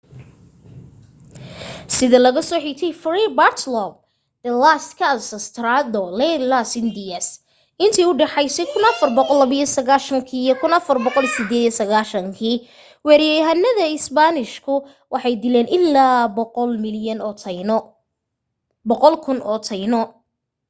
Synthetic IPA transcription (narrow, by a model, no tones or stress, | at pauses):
sɪðɐlɐɣɐsɔːħiɡt̪ʰɛjfribart̪ʰlɔb̚ | d̪ɐlaskʰasɐst̪ʰɾad̪ɔlɛlasɪnd̪ɪɐs | ɪnt̪ʰiːʊɖɑħɑjsɛjkʰʊnɐfɐrbɔqɔlːɐβɐjɔsɐɣaːʃɐŋkʰiːjɔkʰʊnɐfɐrbɔqɔlsɪd̪ɛːd̪jɔsɐɣaːʃɐŋkʰiː | wɛːɾjɛjɦɐnːɐðɐɪsbanɪʃkʰʊ | wʔɑħɑjd̪ɪlɛːnʔɪlaːlmɪljɐnʰ | bɔqɔlkʰʊnɔt̪ʰɐjnɔ